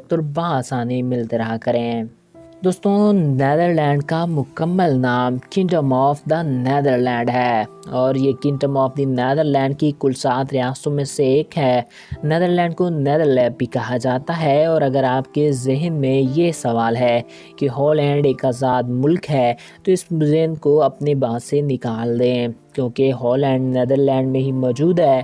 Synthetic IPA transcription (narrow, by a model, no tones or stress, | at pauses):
t̪ʊɾʋɐɦːsaːnimɪlt̪eɾɐɦakɐɾẽː | d̪oːst̪õnɛːd̪əɾlɛ̃ːɳɖkamʊkəmːəlnaːmkɪ̃ɳʈəmɔːfd̪anɛːd̪əɾlɛ̃ːɳɖɦɛːɔːɾjekɪ̃ɳʈəmɔːfd̪inɛːd̪əɾlɛ̃ːɳɖ̚kikʊlsaːt̪ɾɪjaːst̪õmẽseeːkɦɛː | nɛːd̪əɾlɛ̃ːɳɖ̚koneːd̪əɾlɛ̃ːɖbʱikɐɦad͡ʒaːt̪aɦɛɔːɾɐɡəɾaːpkezɪɦnmẽjesɐʋaːlɦɛː | keɦɔːlɛ̃ːɳɖeːkaːzaːd̪mʊlkɦɛː | t̪oɪszɪɦnkoɐpnebãːsenɪkaːld̪ẽkjõːkeɦɔːlɛ̃ːɳɖneːd̪əɾlɛ̃ːɳɖmẽɦimɔːd͡ʒuːd̪ɦɛː